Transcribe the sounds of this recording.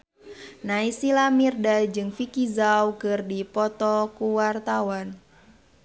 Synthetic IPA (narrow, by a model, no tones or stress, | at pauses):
naisilamirdad͡ʒɨŋfikizawkɨrdipɔt̪ɔkuwart̪awan